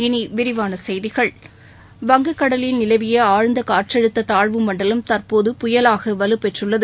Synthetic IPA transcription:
ɪniʋɪɾɪʋaːnɐsɛjðɪɣɐɭ | ʋɐŋɡɯkːɐɽɐlɪlnɪlɐʋɪjɐaːɻnd̪ɐkaːʈrɛɽɯt̪ːɐt̪aːɻʋɯmɐɳɖɐlɐmt̪ɐrpoːðɯpʊjɐlaːɣɐʋɐlɯpːɛʈrɯɭːɐðɯ

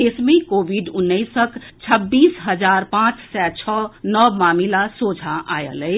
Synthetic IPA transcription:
esmẽkoːbiɖʊnːəɪsəkt͡ʃʰəbːiːsɦəd͡ʒaːɾpãːt͡ʃsɛt͡ʃʰɔːnɔmaːmilasoːd͡ʒʱaʔa̰ːjə̰ləɪ

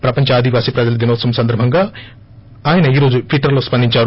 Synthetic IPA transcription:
pɾɐpɐɲt͡ʃɐaːd̪ʱiʋaːsipɾɐd͡ʒɐlɐd̪inoːt̪sɐmsɐnd̪ɐɾbʱɐŋɡaː | aːjɐnɐiːɾo̞ːd͡ʒupʰiʈɐɾloːspɐnd̪iɲt͡ʃaːɾu

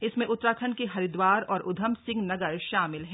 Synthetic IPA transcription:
ɪsmẽʔʊt̪ːɾaːt̪ʰənkeɦɐɾɪd̪waːɾɔːɾʔʊd̪ʱəmsɪ̃ŋɡnɐɡəɾʃaːmɪlɦɛː

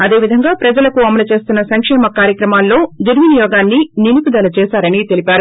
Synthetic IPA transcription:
ɐd̪e̞ːʋid̪ʱɐŋɡaːpɾɐd͡ʒɐlɐkuɐmɐlut͡ʃe̞ːst̪unːɐsɐŋkʂɛːmɐkaːɾjɐkɾɐmaːlːo̞ːd̪uɾminijɔːɡaːnːininukud̪ɐlɐt͡ʃɛːsaːɾɐnit̪e̞lipʲaːɾu

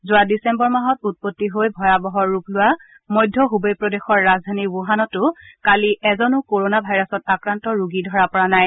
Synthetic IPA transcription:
zʊwadisɛmbɔɹmaɦɔtut̚potːiɦojbʱɔjabɔɦɔɹːuplʊwa | mɔjdʱːɔɦubɔjpɹɔdexɔɹːazdʱanibuɦanɔtʊkaliʔɛzɔnʊkoɹonabʱajɹɔsɔtakɹantɔɹuɡidʱɔɹapɔɹanaj

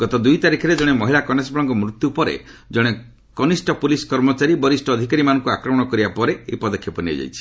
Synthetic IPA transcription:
ɡ̥ɔt̪ɔd̪ujt̪aɾikʰɔɾed͡ʒɔɽ̃emɔɦilakɔnesbɔlɔŋɡɔmɾut̪jupɔɾḛ | d͡ʒɔɽ̃e | kɔnisʈɔpuliskɔɾmɔt͡ʃaɾibɔɾisʈɔːd̪ʱikaɾimanɔŋkuakɾɔmɔɽ̃ɔkɔɾibapɔɾeːjpɔd̪ɔkʰjɔpɔnia̰d͡ʒa̰jt͡ʃʰi̥

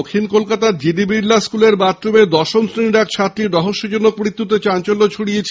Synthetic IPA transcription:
kʰːinkolkat̪ad͡ʑiɖibɾiɾlːaskuleɾbat̪ːɾubed̪ɔʃomsɾiniɾɛk̚t͡ɕʰat̪ːɾiɖ̪ɔɦoʃːod͡ʑonok̚mɾit̪ːut̪̬et͡ɕant͡ɕolːot͡ɕʰuɽiet͡ɕʰ

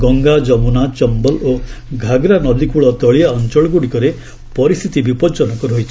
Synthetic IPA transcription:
ɡɔŋɡad͡ʒɔmunat͡ʃɔmbɔloɡʱaɡɾanɔd̪ikuɭɔt̪ɔɭijaɔnt͡ʃɔɭɡuɽikɔɾe | pɔɾist̪ʰit̪ibipɔd͡ʒɔnɔkɔɾɦojt͡ʃʰi

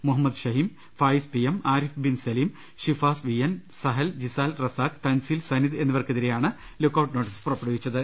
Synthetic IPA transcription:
muɦɐmːɐd̪ɕɐɦiːm | faːjispijemaːɾifbinsɐliːm | ɕifaːsʋijɐnsɐɦɐld͡ʑisaːlrɐsaːkt̪ɐnsiːlsɐniðe̞nːuʋɐrkeðiɾejaːɳɨ | lokːɐwʈnoːʈːispurɐpːeɽɐʋit͡ɕːɐðɨ

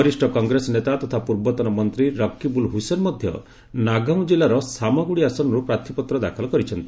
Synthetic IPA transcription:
ɔɾisʈɔkɔŋɡɾesɔnet̪at̪ɔt̪ʰapuɾbɔt̪ɔnɔmɔnt̪ɾiɾɔkːibulɦusenmɔd̪ʱjɔ̰ | naɡaw̃d͡ʒilaɾɔsamɔɡuɽiasɔnɔɾupɾat̪ʰipɔt̪ɾɔd̪akʰɔlɔkɔɾit͡ʃʰɔnt̪i̥

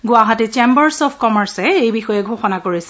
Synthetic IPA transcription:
ɡʊaɦatit͡ʃembɔɹsɔpʰkɔmɛɹsɛejbixɔjɛɡʱoxɔnakoɹisɛ

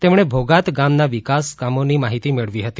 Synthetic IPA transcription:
t̪emɳ̃ebʱoɡat̪ɡamnaʋikaskamonimaɦit̪imeɭʋiɦət̪i̥

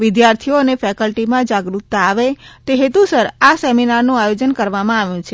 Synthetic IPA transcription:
ʋɪd̪jaɾt̪ʰionefɛkəlʈimãd͡ʒaɡɾut̪ːaːʋet̪eɦet̪usəɾaseminaɾnũajod͡ʒənkəɾʋamãaʋjũt͡ʃʰe

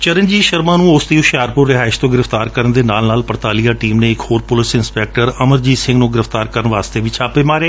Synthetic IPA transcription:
t͡ʃəɾənd͡ʒiːʃəɾmãːnũːʊsd̪iːʊʃaːɾpʊɾːɪɦaːɪʃt̪õːɡɪɾəft̪aːɾkəɾənd̪eːnaːlnaːlpəɾt̪aːlijaːʈiːmnẽːɪkhoːɾpʊlɪsɪnspɛːk̚ʈəɾəməɾd͡ʒiːsɪ̃ŋɡnũːɡɪɾəft̪aːɾkəɾənʋaːst̪eːʋɪt͡ʃʰaːpeːmaːɾeː

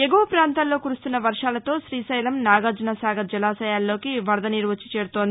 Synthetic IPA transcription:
eɡɐʋɐpɾaːnt̪aːlːo̞ːkuɾust̪unːɐʋɐɾʂaːlɐt̪o̞ːʃɾiːsɐjlɐmnaːɡaːd͡ʒɐnɐsaːɡɐd͡ʒɐlaːsɐjaːlːo̞ːkiʋɐɾd̪ɐniɾʋɐt͡ʃːi̥t͡ʃeːɾut̪ond̪ii

